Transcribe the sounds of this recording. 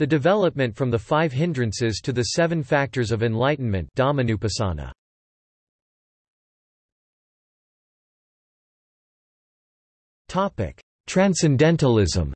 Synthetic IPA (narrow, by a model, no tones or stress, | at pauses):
ðɨdɨvɛlˠəp̚mɨ̃ntfɹʌ̃mðəfaɪv̥ɦɪ̃ndɹɨ̃nsɪz̥tʰɨðɨsɛvɨ̃nfæk̚tə˞zʌvɨ̃nlaɪʔn̩mɨ̃nd̥ɑmɨnʉpɨsɑ̰nə̰ | tʰɑpɪ̰k | tʰɹ̥æ̃nsɨ̃ndɛ̃ntəl̩ˠɪzə̰̃m